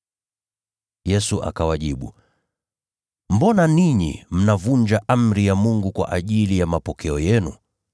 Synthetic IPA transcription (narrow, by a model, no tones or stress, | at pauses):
jɛsuʔa̰kawaʄiɓṵ | m̩bɔnaniɲḭm̩navuɲd͡ʒaʔam̩ɾijamuŋɡukwa̰ʔaʄilijamapɔkɛɔjɛnu